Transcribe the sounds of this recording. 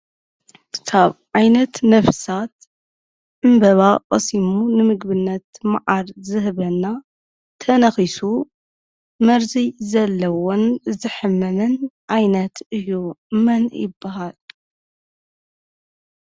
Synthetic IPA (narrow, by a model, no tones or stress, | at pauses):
kkʰaβʕajnɐt̪nɐfsat̪̚ | ʕɨmbɐβaqʼɐsimunɨmɨɡbɨnːɐt̪maʕaɾzɨhβɐnːa | t̪ʰɐnɐxisu | mɐɾzizɐlːɐwonzɨħɨmːɐmɨnʔajnɐt̪ʰɨjːumɐnjɪ̰bːaɦal